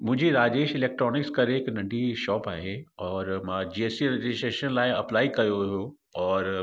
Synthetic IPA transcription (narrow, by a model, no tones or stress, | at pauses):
mʊ̃ɦɪ̃ɲd͡ʑiɾaːd͡ʑeːʃɪleːk̚ʈɾɔːnɪkskɐɾeɦɪknɐ̃ɳɖʱiʃɔːpaːɦeɔːɾmãːd͡ʑiːesiɾɐd͡ʑɪsʈɾeːʃənlaːɪɐplaːikɐjoʋɦo | ɔːɾ